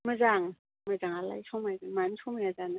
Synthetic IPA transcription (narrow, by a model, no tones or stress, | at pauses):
mazaŋ | mazaŋala̰jsʰɔŋmajzaŋmansʰɔmajazana